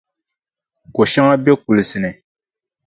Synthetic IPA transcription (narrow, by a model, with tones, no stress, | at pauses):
ko˨ʃa˦ŋa˦be˦ku˨li˨si˨nɛ˨